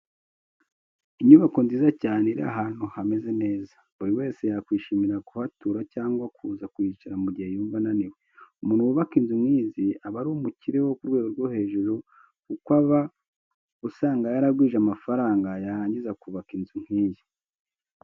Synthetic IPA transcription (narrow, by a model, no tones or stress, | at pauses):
iɲuβako̞nziːzacaːneiɾia̰ɦaːn̥huhame̞ze̞ne̞ːza | βuɾiwe̞ːse̞jakwiːʃimiɾakuhatuːɾacaːŋɡwakʰuzakwit͡ʃaɾamuɟihe̞juːɱvananiweumuːnhuwuβakinzumŋiːziaβaɾumuciɾe̞wo̞kuɾɡwe̞ːɡoɾɡwohe̞ːʒuɾo | kukwaβa | usaːŋɡajaɾaɡwiːʒamafaɾaːŋɡajaɾaːɲɟizakuβakinzum̥hiːzi